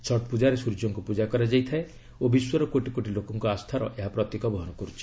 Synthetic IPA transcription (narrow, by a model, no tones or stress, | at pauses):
sɔʈ̚pud͡ʒaɾesuɾd͡ʒɔŋkupud͡ʒakɔɾad͡ʒajt̪ʰae | obiswɔɾɔkoʈikoʈilokɔŋkɔast̪ʰaɾɔ̰ʔeɦapɾɔt̪ekɔbɔɦɔnɔkɔɾut͡ʃʰi̥